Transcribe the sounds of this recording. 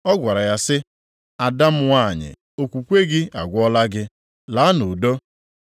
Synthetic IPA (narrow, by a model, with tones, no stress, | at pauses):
ɔ˦ɡʷa˨ɾa˨ja˦sɪ˦ | a˨da˦m̩˦wa˦˨ɲɪ̰˨ | o˨kʷu˨kʷe˦ɡɪ˦a˨ɡʷɔ˦la˦ɡɪ˦ | la˨˦no˨do˦